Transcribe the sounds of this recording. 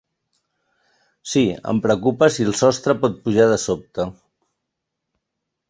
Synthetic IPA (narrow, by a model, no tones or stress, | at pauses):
siə̰mpɾəkupəsilˠsɔst̪ɾəpɔt̪̚puʒað̞əsop̚t̪ə